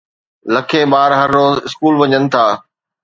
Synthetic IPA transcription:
lɐkʰebaːɾɦɐɾːoːzɪskuːlʋɐɲənɪ̆t̪ʰaː

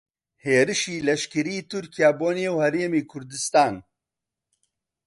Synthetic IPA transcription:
heːɾɨʃiːlɐʃkɨɾiːt̪ʰʊɾkijaːboːnijewhɛɾeːmiːkʰʊɾd̪ɨst̪aːn

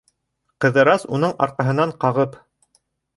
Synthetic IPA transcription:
qɤ̆ðɤ̆ɾɑsun̪ɤɴɑ̰ɾqɑɦɤ̆nɑɴqɑʁɤp

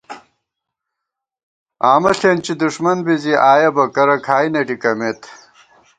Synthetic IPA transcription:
aːmɐɬent͡ɕid̪uʂmɐnbiziʔaːjɐbɐkɐɾɐkʰaːjnɐɖikɐmet̪

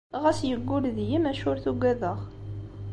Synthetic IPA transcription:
ʁæsjəɡʷːʊlðjimæʃʊɾθuɡʷæðəʁ

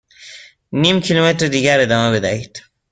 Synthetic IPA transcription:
nimkʰilometɾed̪iɡaɾed̪amabed̪a̰it̪

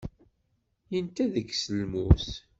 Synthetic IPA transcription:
jənt̪æðəkːsəlmus

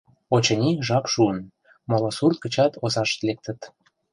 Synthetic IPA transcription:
ot͡ɕɤ̆nʲiʒɑkʃuən | molosurt̪̚kə̆t͡ɕɑt̪ʰozɑʃt̪lek̚t̪ə̆t̪

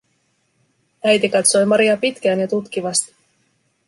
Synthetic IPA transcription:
æjt̪ikɑt̪so̞jmɑɾiɑpit̪k̟æːnjɑt̪ut̪k̟iʋɑst̪i̥

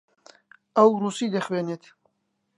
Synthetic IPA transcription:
ɐwruːsiːd̪ɐχweːneːt̪ʰ

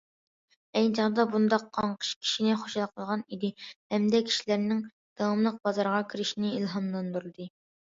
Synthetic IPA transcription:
ɛjt͡ʃʰɑʁd̪ɑbund̪ɑqʰːɑɴqʰə̥ʃkʲʰi̥ʃinɪχoʃlˠqʰəlˠʁɑnid̪ɪhɛmd̪ɛkʲʰi̥ʃilæɾnɪŋ | d̪̥ɑwɑmlˠəq̚b̥ɑzɑɾʁɑkʲʰiɾɪʃinɪilˠɦɑmlˠɑnd̪uɾɨd̪ɨ

